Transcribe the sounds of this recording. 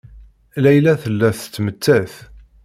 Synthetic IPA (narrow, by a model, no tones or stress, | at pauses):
læjlæθəlːæθət͡s̪ːmət̪ːæθ